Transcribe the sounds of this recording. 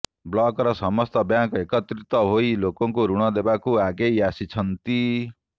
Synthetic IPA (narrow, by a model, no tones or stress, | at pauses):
blɔkɾɔsɔmɔst̪ɔbjãŋkekɔt̪ɾit̪ɔɦoilokɔŋkuɾuɽ̃ɔd̪ebakuaɡejasit͡ʃʰʌnt̪i